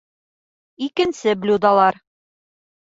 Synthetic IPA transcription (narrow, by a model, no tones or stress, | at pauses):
ikɘ̆nsɘblʲud̪ɑlˠɑɾ